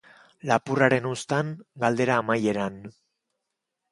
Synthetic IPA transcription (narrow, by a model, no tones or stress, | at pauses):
lapuraɾe̞nust̪aŋɡald̪e̞ɾaːmaje̞ɾan